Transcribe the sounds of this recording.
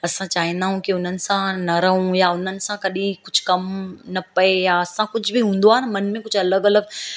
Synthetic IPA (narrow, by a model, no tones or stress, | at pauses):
ɐsãt͡ɕaːɦĩnd̪aːɦũkiʊn̤ənɪ̆sãnɐɾɐɦũjaʊn̤ənɪ̆sãkɐɗĩkʊd͡ʑʱkɐmnɐpɐejaɐsãkʊd͡ʑʱʊbiɦũːn̆d̪oaːɦnɐmɐnmẽkʊd͡ʑʱɐləɡɐləɡ̚